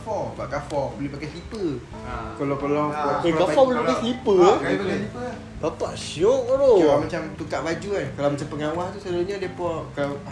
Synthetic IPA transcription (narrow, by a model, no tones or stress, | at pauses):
fɔpaʔkafɔbolehpakajslipə | kolɔpəlɔkakafɔbolepkajslipəakalaiə | bapaʔsijɔʔɾokalamat͡ʃamt̪uk̪aʔlad͡ʒuakalawmat͡ʃampəŋawaht̪usəduɲadiəpɔkalaw